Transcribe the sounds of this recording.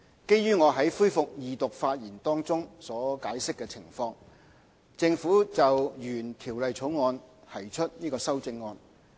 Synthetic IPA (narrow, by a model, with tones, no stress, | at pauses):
ke˥jyː˥ŋɔː˨˧ɦɐ˨˥jfuː˥jfʊ˨k̚jiː˨t̪ʊ˨k̚faː˧t̚jiː˨˩nt̪ɔː˥ŋt͡sʊ˥ŋsɔː˨˥kaː˨˥jsɪ˥kːɛː˧t͡sʰɪ˨˩ŋfɔː˧ŋ | t͡sɪ˧ŋfuː˨˥t͡sɐ˨wjyː˨˩nt̪ʰiː˨˩wlɐ˨jt͡sʰo˨˥wŋɔː˧nt̪ʰɐ˨˩jt͡ʃʰɵ˥t̚niː˥kɔː˧sɐ˥wt͡sɪ˧ŋːɔː˧n